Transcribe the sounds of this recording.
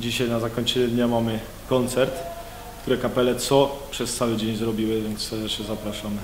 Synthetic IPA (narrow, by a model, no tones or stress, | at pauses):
d͡ʑiɕajnazakɔɲʲt͡ɕɛɲɛd̪ɲamamɘ | kɔnt̪sɛɾt̪ | kt̪uɾɛkapɛlɛt̪sɔpʂɛst̪sawɘd͡ʑeɲzɾɔbʲiwɘvɛnssɛɾd̪ɛt͡ʂɛzapɾaʂamɘ